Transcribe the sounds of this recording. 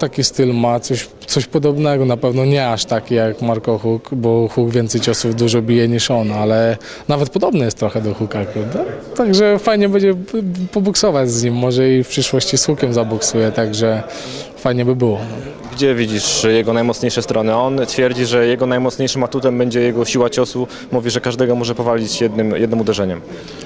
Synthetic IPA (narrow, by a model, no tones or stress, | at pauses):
t̪akʲist̪ɘlmat̪sɔɕ | t̪sɔɕpɔd̪ɔbnɛɡɔnapɛvnɔɲɛaʂt̪akʲijakmaɾkɔxukbɔxuɡvʲjɛnt̪sɛjt͡ɕɔsuvd̪uʐɔbʲijɛɲiʂɔnalɛ | navɛt̪̚pɔd̪ɔbnɛjɛst̪ːɾɔxɛd̪ɔxukakɾavd̪at̪aɡʐɛfajɲɛbɛɲd͡ʑɛpɔbuksɔvad͡ʑzɲimːɔʐɛifpʂɘʂwɔɕt͡ɕisxukʲɛmzabɔksujɛt̪aɡʐɛ | fajɲɛbɘbɘwɔ | ɡd͡ʑɛvʲid͡ʑiʂjɛɡɔnajmɔt̪sɲejʂɛst̪ɾɔnɘɔnt̪fʲjɛɾd͡ʑiʐɛjɛɡɔnajmɔt̪sɲejʂɘmat̪ut̪ɛmbɛɲd͡ʑɛjɛɡɔɕiwat͡ɕɔsu | muvʲiʐɛkaʐd̪ɛɡɔmɔʐɛpɔvalʲit͡ɕjɛd̪nɘmjɛd̪nɨmud̪ɛʐɛɲɛm